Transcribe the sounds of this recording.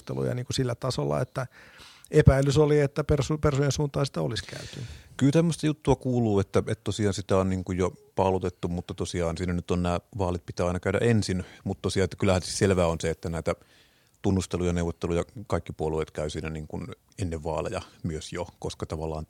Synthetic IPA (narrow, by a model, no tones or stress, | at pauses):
t̪ḛlṵjɑ̰niːŋkusilːæt̪ɑsolːɑ̰ḛt̪ːæ | epæilysoliet̪ːæpersupersujensuːnt̪ɑːsi̥t̪æoliskæ̰yt̪ykylt̪æmːøst̪ɑjut̪ːuɑkuːluːet̪ːæet̪tosiɑːnsit̪æonniːŋkujjopɑlut̪et̪ːumut̪ːɑt̪osiɑːnsiːnænyt̪onnæːʋɑːlit̪̚pit̪æːɑinɑkæˑyɾæ̰ʔensinmut̪t̪osiɑːet̪ːækylːˑæhænsitselʋæːonseet̪ːænæˑit̪æ | t̪unːust̪elujɑneuwʋːˑot̪ːelujɑkɑˑikːipuolueːˑt̪kæˑysiːnæniːŋkun | enːeʋʋɑːlḛjɑ̰myøsjokoskɑt̪ɑʋɑlːˑɑ̰ːn